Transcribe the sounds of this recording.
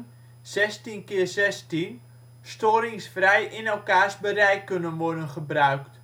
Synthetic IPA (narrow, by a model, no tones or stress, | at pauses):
z̥ɛstinkɪərzɛstin | stoːɾɪŋsfrɛjʔɪnɛlˠkaːsbəɾɛjkɵnənʋɔrdənχəbrœɥkt